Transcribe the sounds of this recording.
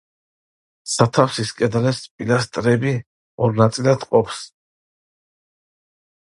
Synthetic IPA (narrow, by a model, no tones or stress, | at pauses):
sat̪ʰafsiskʼɛd̪alɛspʼilast̪ʼɾɛbi | ɔɾnat̪sʼilad̪qʼɔpʰs